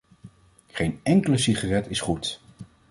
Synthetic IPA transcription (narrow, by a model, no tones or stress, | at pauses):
χejnɛŋkələsiχarɛtɪsχut